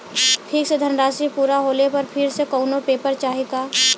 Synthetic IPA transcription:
ʈʰiːksed̪ʱənɾaːsipuːɾaɦoːlepəɾpʰɪɾsekɔʊnopeːpəɾt͡ʃaːɦeɡaː

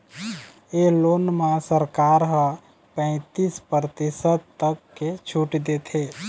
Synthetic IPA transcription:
eloːnmãsəɾkaːɾɦə̃ | pɛ̃ɪ̃t̪ispəɾt̪ɪsət̪ːəkːet͡ʃʰuːʈd̪et̪ʰe

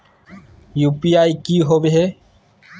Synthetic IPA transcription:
juːpiːaːikiːɦoːbeɦeː

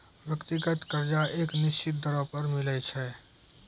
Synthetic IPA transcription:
ʋjəkt̪ɪɡət̪kəɾd͡ʒaeːknɪst͡ʃɪt̪̚d̪əɾɔpəɾmɪlɛt͡ʃʰɛː

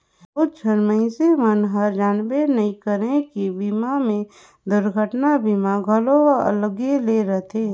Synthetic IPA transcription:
oʊt͡ʃʰənməɪ̃semənɦəɾd͡ʒaːnbenəɦĩkəɾẽkibimamẽ | d̪ʊɾɡʱəʈnabiːmaɡʱəloə̰lɡeleɾət̪ʰeː

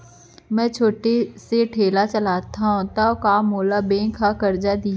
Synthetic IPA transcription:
mɛ̃ːt͡ʃʰoːʈeseʈʰeːlat͡ʃɐlaːt̪aɦũt̪aokaːmoːlabẽːkʰːakɐɾd͡ʒad̪i

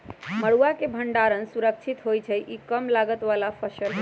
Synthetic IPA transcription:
məɽuakebʱəɳɖaɾənsuɾək̚t͡ʃʰit̪ɦojt͡ʃʰəʔikəmlaɡət̪ʋalapʰəsəl

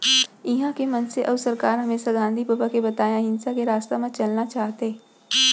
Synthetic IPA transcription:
ɪɦãkemɐnseʔɐːʋsɐɾkaːɾɦɐmeːsaɡãːnd̪ʱipəbakebɐt̪aːjãɦɪ̃nsakeɾaːst̪amɐ̃t͡ʃɐlnat͡ʃaːɦt̪e

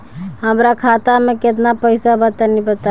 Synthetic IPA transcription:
həmɾakʰat̪ameket̪napəɪsabət̪anibət̪a

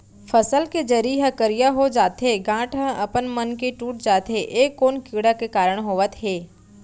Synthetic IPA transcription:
fʰəsəlked͡ʒəɾiɦə̃kəɾijaɦod͡ʒaːt̪ɦeɡãːʈɦə̃ɐpənmənkeʈuːʈ̚d͡ʒaːt̪ɦeʔeːkːoːnkiːɽakekaːɾəɽ̃ɦoːʋət̪ɦeː

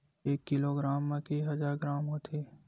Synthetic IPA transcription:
eːkːɪloːɡɾaːmːẽkiɦɐd͡ʒaːɾɡɾaːmɦoːt̪ʰiː

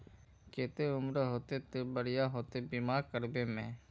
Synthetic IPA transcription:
keːt̪eʊmɾɦoːt̪et̪ebəɾɪjaɦoːt̪ebiːmaːɾkəɾbeːmẽː

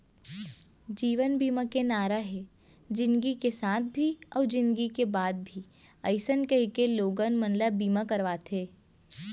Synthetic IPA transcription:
d͡ʒiːʋənbiːmakenaːɾaɦɛ | d͡ʒɪ̃nɡikesaːt̪̚ʰbʱiɔːɾd͡ʒɪ̃nd̪ɡikebaːd̪̚bʱi | əɪsənkəɦikeloːɡənmə̃nləbiːmakɐɾʋaːt̪ʰeː

